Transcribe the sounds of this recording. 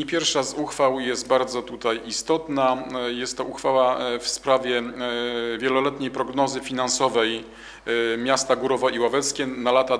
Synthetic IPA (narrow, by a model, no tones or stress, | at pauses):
epʲjɛɾfʂazuxfawjɛst̪̚baɾd̪zɔt̪ut̪ajist̪ɔt̪najɛst̪ːɔuxfawafspɾavʲjɛ | vʲjɛlɔlɛt̪ɲejpɾɔɡnɔzɘfʲinansɔvɛj | mʲjast̪aɡuɾɔvɔʔiwavɛt̪skʲɛnalat̪a